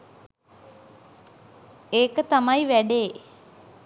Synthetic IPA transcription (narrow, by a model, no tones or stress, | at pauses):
eːkət̪amajʋæɖeː